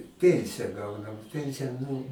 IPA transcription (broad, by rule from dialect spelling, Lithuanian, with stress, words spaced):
ˈpʲiɛnʲsʲɪjɛ ˈɡɐʊnɐm ˈpʲɛnʲsʲɪjɛ ˈnʊ